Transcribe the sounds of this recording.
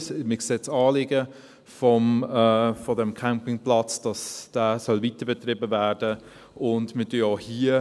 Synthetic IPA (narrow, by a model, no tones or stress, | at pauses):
smɪkseːt͡sɑːlɪɡə | fɔm | fɔdɛmkʰampɪŋplɑt͡sd̥ɑsd̥æːsœlvitəbɛtʁɪbəvæːɹd̥ə | ʔʊndmədyohiːə